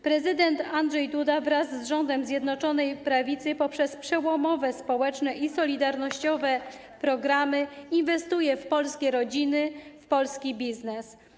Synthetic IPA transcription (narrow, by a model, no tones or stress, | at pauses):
pɾɛzɘd̪ɛnt̪andʐɛjd̪ud̪avɾazːʐɔnd̪ɛmzʲjɛd̪nɔt͡ʂɔnɛjpɾavʲit̪sɘpɔpʂɛspʂɛwɔmɔvɛspɔwɛt͡ʂnɛʔisɔlʲid̪aɾnɔɕt͡ɕɔvɛ | pɾɔɡɾamɘinvɛst̪ujɛfpɔlskʲɛɾɔd͡ʑinɘfpɔlskʲibʲiznɛs